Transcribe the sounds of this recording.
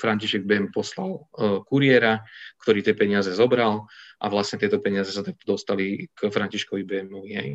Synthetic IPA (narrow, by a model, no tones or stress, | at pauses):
fɾaɲciʃɛɡ̚bɛmpɔslalkuɾɪɛɾakt̪ɔɾiːt̪ɪjɛpɛɲɪazɛzɔbɾalʔa̰ʋlasɲɛt̪ɪɛt̪ɔpɛɲɪazɛsat̪ak̚t̪ɔd̪ɔst̪alikfɾaɲciʃkɔʋibɛmɔʋiɦɛ̰j